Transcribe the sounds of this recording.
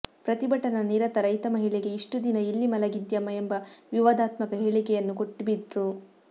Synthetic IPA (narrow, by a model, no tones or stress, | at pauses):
pɾɐt̪ibɐʈɐnɐniːɾɐt̪ɐɾɐjt̪ɐmɐɦiɭɛɡe̞iʂʈud̪inɐilːimɐlɐɡid̪jɐmːɐembɐʋiʋɐd̪aːt̪mɐkɐɦeːɭikɛjɐnːukoʈːubid̪ɾu